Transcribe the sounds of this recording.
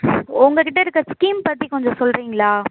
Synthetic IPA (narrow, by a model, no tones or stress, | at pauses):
ʊŋɡɐkɪʈːɐɪɾɯkːɯɾɐskiːmpɐt̪ːikɔɲd͡ʒɔ̃sɔlɾiːŋɡɐlɭaː